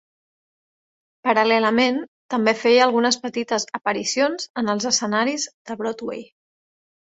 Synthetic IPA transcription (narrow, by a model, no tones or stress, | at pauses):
pəɾəlɛləment̪əmbefejəlˠɣunəspət̪it̪əzəpəɾisionzənəlˠzəsənaɾizd̪̥əβɾɔt̪wḛj